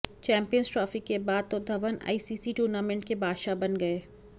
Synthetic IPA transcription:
t͡ʃɛ̃ːmpijənzʈɾaːfɪkːebaːd̪̚t̪od̪ʱɐʋəna̰ːiːsiːsiʈuːɾnaːmɛ̃ɳʈ̚kebʱaːʃabɐnɡɐeː

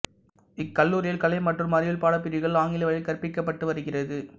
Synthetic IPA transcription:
ɪkːɐlːuːɾɪjɐlkɐlɐɪmɐʈrɯmːɐɾɪjɪlpaːɽɐpːɪɾɪɣɐɭaːŋɡɪlɐʋɐɻɪkɐɾpɪkːɐpːɐʈːɯʋɐɾɯɣɪrɐðɯ

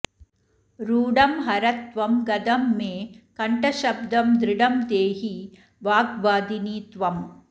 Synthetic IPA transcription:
ɾuːɽɐmɦɐɾɐt̪ʋɐmɡɐd̪ɐmːeːkɐɳʈɐʃɐbd̪ɐmd̪ɾɪɽɐmd̪eːɦi | ʋaːɡʋaːd̪iniːt̪ʋɐm

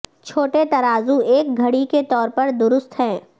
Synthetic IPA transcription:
t͡ʃʰoːʈet̪ɐɾaːzueːk̚ɡʱɐɽiket̪ɔːɾpɐɾd̪ʊɾʊst̪ɦɛ̃ː

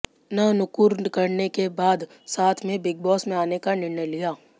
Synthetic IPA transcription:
nɐnʊkuɾkɐɾnekebaːd̪ | saːt̪ʰmẽbɪɡ̚bɔːsmẽaːnekanɪɾnəjlijaː

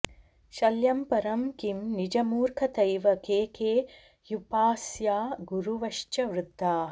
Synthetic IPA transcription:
ʃɐljɐmpɐɾɐmkimnid͡ʒɐmuːɾkʰɐt̪ɐjʋɐkeːkʰeː | jupaːsjaːɡuɾuʋɐʃt͡ʃɐʋɾut̪ːaː

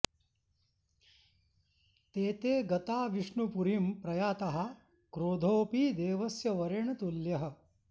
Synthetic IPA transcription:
t̪eːt̪eːɡɐt̪aːʋiʂɳupuɾimpɾɐjaːt̪ɐɦɐ | kɾoːd̪ʱoːpiːd̪eːʋɐsjɐʋɐɾeɳɐt̪uljɐɦɐ̆

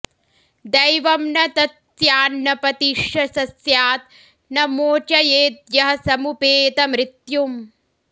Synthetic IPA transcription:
d̪ɐjʋɐmnɐt̪ɐs | jaːnːɐpɐt̪iʂjɐsɐsjaːt̪ | nɐmoːt͡ʃɐjeːt̪̚jɐɦɐsɐmupeːt̪ɐmɾit̪jum

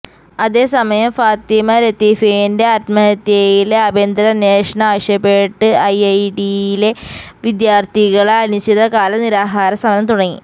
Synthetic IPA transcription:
ɐðe̞ːsɐmɐjɐmfaːt̪imɐɾet̪ifendeɐtmɐet̪ɐjileɐbeːnd̪ɐɾɐnjeːʂɐɳɐaːʋɐɕjɐpːeʈːɨɐjɐjɖiile̞ʋid̪jaːrt̪iɣɐɭaɐlit͡ɕːiðɐkaːlɐniɾaːɦaːɾɐsɐmɐnɐmt̪uɽɐŋːḭ

